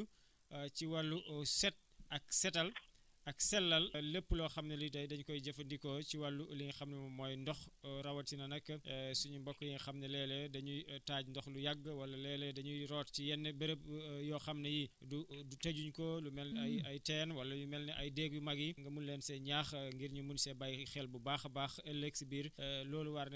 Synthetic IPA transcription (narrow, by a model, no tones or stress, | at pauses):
u | ciwɐlːuʔɔsɛt̚ɐksɛtɐl | ɐksɛlːɐlːəpːlɔxɐmnɐlidɐjdɐɲkɔjɟɐfɐndikɔciwɐlːuliŋxɐmnɐmɐmɔːjndɔxɔɾɐwɐtsinɐnɐkːəsuɲumbɔkːɔjiŋxɐmnɐlɛːlɛdɐɲutaːɟndɔxlujaɡːəwɐlːɐlɛːlɛdɐɲuɾɔːtcijɛnːəbɐɾəp̚jɔːxɐmnɐji | dudutɐɟuɲkɔlumɛlnajɐjtɛːnwɐlːɐjumɛlnɛʔɐjdeɡ̚jumɐɡiŋɡɐmunlɛːnsɛɲaxŋɡiɾɲumunsɛbɐjxɛlbubaːxbaːxɐleksibiːɾlɔːluwaɾnɛ